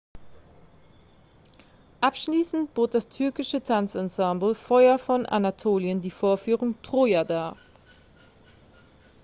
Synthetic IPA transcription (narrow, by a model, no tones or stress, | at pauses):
ʔapʃliːsn̩tb̥oːt̚d̥astʰʏɐkɪʃətʰant͡sansãmbl̩fɔʏɐfɔnʔa̰natʰoːljəndiːfoːɐfyːʁʊŋtʁ̥ojadaː